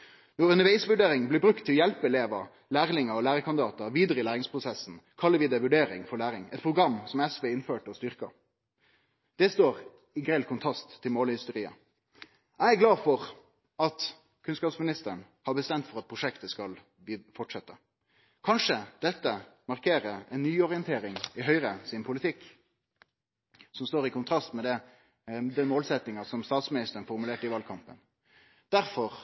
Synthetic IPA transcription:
nɔɾʉnəʋeɪsʋʉɖeːɾɪŋblɪbɾʉkt̪ʰːɪljɛlpəɛleːʋɑ | læːʁlɪŋəɔlæːʁəkʰɑnd̪ɪd̪ɑːt̪əʋiːd̪əɾəɪlæːɾɪŋspʰʁʊsɛsn̩kʰɑlːəʋɪːd̪ɛʋʉɖeːɾɪ̰ŋfɔɭæːɾɪŋɛ̰t̪̚pʰɾʊɡɑmːsɔmɛsʋɛːɪnføːʈɔst̪ʏʁkɑ̰ | d̪̥ɛst̪oːɾ | ɪɡʁɛlkʰʊnt̪ʰʁɑst̪ʰːɪlmoːlhɪst̪əɾiːə̰ | æɪæɡlɑːfɔʁ | ɑt̪ | kʰʉnskɑːpsmɪnɪst̪əəɳ | hɑɾbəst̪ɛmt̪fɔɾɑt̪̚pʰʁʊʂɛkt̪əskɑl | bfɔʈʂɛt̪ːə | kʰɑnʂəd̪̥ɛt̪ːəmɑʁkʰeːɾəɛnːyːɔʁɪənt̪ʰeːɾɪŋɪɦœʏɾəsɪnpʰʊlɪt̪ʰɪkː | sɔmst̪oːɾɪkʊnt̪ʰɾɑst̪mɛd̪ɛ | d̪ɛnmoːlsɛt̪nɪŋɑsɔmst̪ɑːt̪smɪnɪst̪əɾənfɔɾmʉleːʈɪʋɑlkʰɑmpə̰n | d̪̥æɾfɔʁ

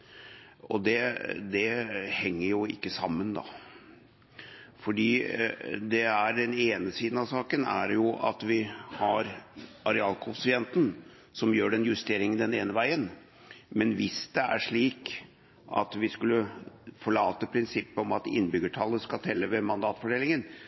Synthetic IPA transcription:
ɔd̪ɛd̪ɛhɛŋːəɾjʊɪ̰kːəsɑmːənd̪ɑ̰ | fɔɖiːd̪ɛæɖɛneːnəsiːd̪n̩ɑsɑːkənæ̰ɾjʊʔɑ̰t̪ʋɪhɑɾɑɾɛɑːlkʰʊsɪɛnt̪n̩ | sɔmjøːɖɛnjʉst̪eːɾɪŋənd̪ɛneːnəʋæɪən | mɛnʋɪsd̪ɛæ̰ʂɭiːk | ʔɑ̰t̪ʋɪskʉlːəfɔɭɑːt̪əpʰɾɪnsɪpːəɔmɑt̪ɪ̰nːbʏɡəʈʰɑlːəskɑt̪ʰɛlːəʋɛmɑnd̪ɑːt̪fɔɖeːlɪŋən

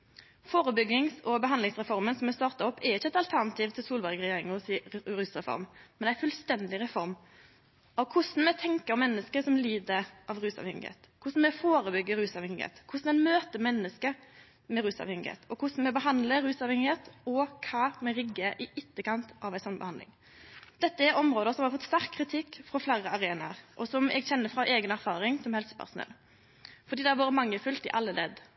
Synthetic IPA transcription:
foːɾəbʏɡːɪŋsɔbəɦɑnd̪ɪŋsʁɛfɔɾmənsɔmːɛst̪ɑːʁt̪ɑɔpːʰɛɾɪçːəɛt̪ɑlt̪ʰæɾnɑt̪ʰiːʋt̪ʰɪlsuːlbæɾɡɾɛjeːɾɪŋʊsiɾʉːsɾɛfɔ̰ɾmmɛnæɪfʉlst̪ɛnd̪ɪɾɛfɔɾm | ɑʋkʰʊsn̩mɛt̪ʰɛŋkəɾɔmːɛnːəskəsɔmliːd̪əɾʔɑʋɾʉːsɑ̰ʋhɛŋɪhḛːt̪kʰʊsn̩mɛfoːɾəbʏɡːəɾʉːsɑʋhɛŋɪɡhḛːt̪kʰʊsn̩ɛmøːt̪əmɛnːəskə | mɛɾʉːsɑ̰ʋhɛŋɪɡhḛːt̪ɔkʰʊsn̩mɛbəɦɑnd̪ləɾʉːsɑʋhɛŋɪheːt̪ɔkʰɑmɛɾɪɡːəʔɪɪt̪ːəkɑnt̪ʔɑʋæɪsɔnːbə̰hɑnd̪lɪ̰ŋ | d̪̥ɛt̪ːəæɾɔmɾoːd̪əsɔmhɑɾfɔt̪ːst̪æɾkʰːɾɪt̪ʰɪkːfɾɔflæɾəɑɾeːnɑ̰ɾʔɔsɔmʔɛ̰ɡçɛnːəfʁɑʔeːɡənæɾfɑːɾɪŋsɔmhɛlsə̥pʰæ̰ɾsʊnɛ̰lː | fɔd̪iːd̪ɛhɑɾʋoːɾəmɑŋːəfʉlt̪ɪʔɑlːəlɛ̰d̪

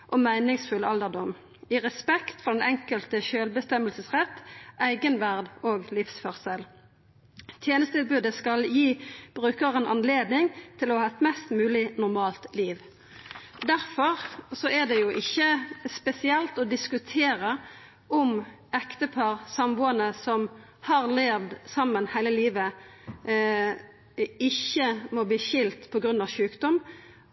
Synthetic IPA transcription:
ʔɔmæɪnɪŋsfʉlɑld̪əd̪ɔm | ɪʁɛspɛkt̪fɔʁd̪ɛnɛŋkəlt̪əçøːlbəst̪ɛməlsəsʁɛt̪ːʔæɪɡənʋæʁd̪oːɡlɪfsfɔʁsɛl | t̪ʰjeːnəst̪ɪlbʉːd̪əskɑljiːb̥ʁʉːkəʁənʔɑnleːd̪nɪŋt̪ʰɪlɔhɑːɛt̪mɛst̪mʉːlɪnʊʁmɑːlt̪liːʋ | d̪æʁfɔʁsɔɛd̪ɛjʊʔɪçːəspɛsɪɛlt̪ɔd̪ɪskʉt̪ʰeːʁə | ʔɔm | ɛkt̪əpʰɑʁsɑmbuːənəsɔm | hɑʁleːʋd̪sɑmːənhæɪləliːʋə | ɪçːəmɔbliːʃɪlt̪pʰɔɡɾʉnːɑʋʃʉːkd̪ɔm

